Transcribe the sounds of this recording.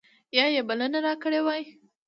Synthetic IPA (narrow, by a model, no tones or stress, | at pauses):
jɑjebalənaɾɑkəɽewɑj